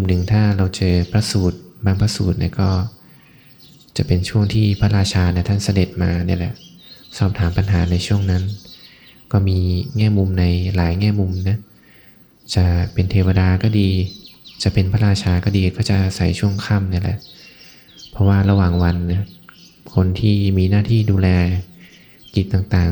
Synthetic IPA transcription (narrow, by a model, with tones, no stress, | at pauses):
u˨˧˦mnɯ˨˩ŋt̪ʰaː˥˩ɾa˧wt͡ɕɤː˧pʰɾa˦˥suː˨˩t̪̚baː˧ŋpʰa˦˥suː˨˩t̪̚nḭ˥˩kɔː˥˩ | t͡ɕa˨˩pe˧nt͡ɕʰu˥˩əŋt̪ʰiː˥˩pʰa˦˥ɾaː˧t͡ɕʰaː˧na˥˩t̪ʰa˥˩nsa˧de˨˩t̪̚maː˧ni˥˩lɛ̰˨˩sɔː˥˩p̚t̪ʰaː˩˦mpa˧nɦaː˩˦na˧jt͡ɕʰu˥˩əŋna˦˥n | kɔː˥˩miː˧ŋɛː˥˩mu˧mna˧jlaː˩˦jŋɛː˥˩mu˧mna˦˥ | t͡ɕa˨˩pe˧nt̪ʰeː˧wa˧daː˧kɔː˥˩diː˧t͡ɕa˨˩pe˧npʰa˦˥ɾaː˧˩t͡ɕʰaː˧kɔː˥˩diː˧kɔː˥˩t͡ɕa˨˩ʔa˧sa˩˦jt͡ɕʰu˥˩əŋkʰa˥˩mni˥˩lɛ̰˨˩ʔ | pʰɔ˦˥waː˥˩ɾa˧waː˨˩ŋwa˧nː˥˩ | kʰo˧nt̪ʰiː˥˩miː˧naː˥˩t̪ʰiː˥˩duː˧lɛː˧ | ki˨˩t̪ːaː˨˩ŋt̪aː˨˩